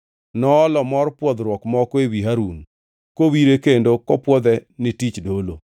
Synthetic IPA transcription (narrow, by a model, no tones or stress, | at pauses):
nɔːlɔmɔrpwɔd̪ɾwɔkmɔkɔewiɦaɾun | kowiɾekendokɔpwɔd̪ɛnɪtit͡ʃdolo